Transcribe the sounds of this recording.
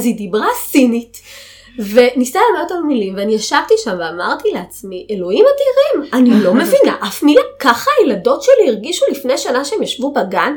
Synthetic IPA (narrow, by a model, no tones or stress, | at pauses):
azidibʁasinit | ve̞nisalamot̪almilimveanijaʃavt̪iʃamveamaʁt̪ileat͡smiʔelo̞imadiʁimanilo̞mevinaʔafmilakaχajelado̞tʃeliiʁɡiʃulifnejʃanaʃeemjaʃvubaɡan